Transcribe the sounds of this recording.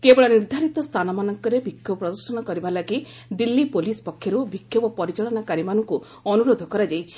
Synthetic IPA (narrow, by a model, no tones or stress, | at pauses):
kebɔɭɔniɾd̪ʱaɾit̪ɔst̪ʰanɔmanɔŋkɔɾebikʰːjɔpɾɔd̪ɔɾsɔnɔkɔɾibalaki | d̪ilːipolispɔkʰːjɔɾubʱikʰːjɔbɔpɔɾit͡ʃɔɭɔnakaɾimanɔŋku | ɔnuɾod̪ʱɔkɔɾad͡ʒajt͡ʃʰi̥